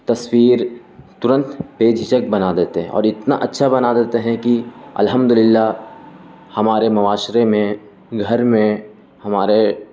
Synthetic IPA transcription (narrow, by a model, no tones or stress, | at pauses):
t̪ɐswiːɾ | t̪ʊɾə̃nt̪peːd͡ʒʱɪt͡ʃək̚bɐnad̪eːt̪eɦɛ̰̃ɔ̰ːɾɪt̪naʔɐtːʃʰabɐnad̪eːt̪eɦɛ̃kiɐ̰lɦəmd̪ʊlɪlːa | hɐmaːɾemʊʋaːʃɾemẽ | ɡʱɐɾmẽ | hɐmaːɾe